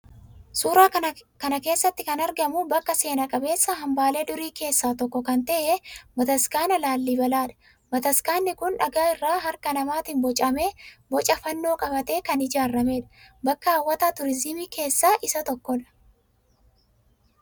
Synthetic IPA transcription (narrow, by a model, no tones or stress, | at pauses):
suːɾaːkɐnɐke̞ːsːɐt̪ːɪkɐnɐɾɡɐmʊbɐkːɐse̞ːnɐkʼɐbe̞ːsːɐɦɐmbaːle̞ːd̪ʊɾiːke̞ːsːaːt̪ɔkːɔkɐnt̪ɐʔebɐt̪ɐskaːnɐlaːlːiːbɐlaːᶑɐ̥ | bɐt̪ɐskaːnːɪkʊnᶑɐɡaːɪrːaːɦɐɾkɐnɐmaːt̪ɪnbɔt͡ʃʼɐmeːbɔt͡ʃʼɐfɐnːo̞ːkʼɐbɐt̪e̞ːkɐnɪd͡ʒaːrːɐmeːᶑɐ̥bɐkːɐɐwːɐt̪aːt̪ʊɾɪzɪmiːke̞ːsːaːʔɪsɐt̪ɔkːɔᶑɐ̥